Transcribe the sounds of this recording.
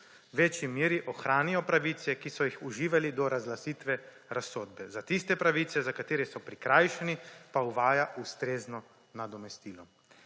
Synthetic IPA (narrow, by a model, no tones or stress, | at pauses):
wʋet͡ʃjimiːɾiʔɔxɾaːnijɔpɾaʋit̪sɛkisɔjixuʒiːʋalid̪ɔɾazlasiːt̪ʋɛ | ɾasoːd̪̚bɛzat̪ist̪ɛpɾaʋiːt̪sɛzakat̪eːɾɛsɔpɾikɾajʃɛnipauʋaːjaʔust̪ɾeːznɔ | nad̪ɔmɛst̪iːlɔ